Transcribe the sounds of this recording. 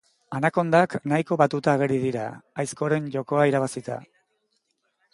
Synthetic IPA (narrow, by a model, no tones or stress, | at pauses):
anako̞nd̪aknajko̞βat̪ut̪aːɣ̞eɾiðiɾa̰ajsko̞ɾe̞nʝo̞ko̞aiɾaβ̞asit̪a̰